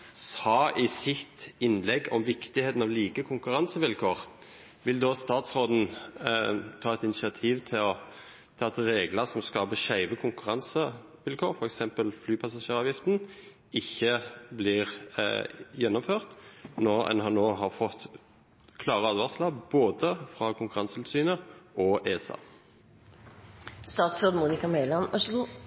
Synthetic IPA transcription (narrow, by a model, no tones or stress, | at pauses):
ɑʔɪsɪt̪ɪnlɛɡːɔmʋɪkt̪ɪheːt̪n̩ɑʋliːkəkʰʊŋkʉɾʁɑnsəʋɪlkʰoːʁ | ʋɪld̪ɔst̪ɑːt̪sɾoːd̪n̩ | t̪ʰɑːɛt̪ɪnɪsɪɑt̪ʰiːʋt̪ʰɪlɔ | t̪ʰɑːɑt̪ɾeːɡləsɔmskɑːbəʃæɪʋəkʰʊŋkʉɾɑnsə | ʋɪlkʰoːɾfɔɾɛksɛmpəlflyːpʰɑsɑʂeːɾɑːʋjɪft̪n | ɪçːəblɪːʁ | jɛnːɔmføːʁt̪nɔɛ̰nhɑnoːɦɑʁfɔt̪ː | kʰlɑːʁəɑlʋɑʁslɑbboːd̪əfʁɑːkʰʊŋkʉɾʁɑnsət̪ʰɪlsyːnəʔɔʔeːsɑ̰ | st̪ɑːt̪sɾoːd̪muːnɪkɑmeɪlɑnœ